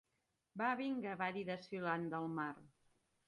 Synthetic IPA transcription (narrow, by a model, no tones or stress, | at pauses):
baβiŋɡəβaɾiðəsiland̪əlˠmar